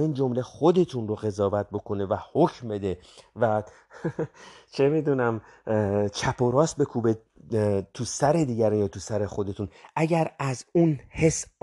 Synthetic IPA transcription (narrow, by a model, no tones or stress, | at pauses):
iːnd͡ʒo̞mle̞χod̪e̞t̪ʰunroɣe̞zɒːvæt̪̚bo̞kʰo̞nevæhocʰmbe̞d̪e̞væ | t͡ʃʰe̞mid̪unæm | t͡ʃʰæpʰoɾɒːst̪̚be̞kʰube | t̪ʰusæɾe̞d̪iːɟæɾinjɒːt̪ʰusæɾe̞xo̞d̪e̞t̪ʰunʔæɟæɾæzunhe̞s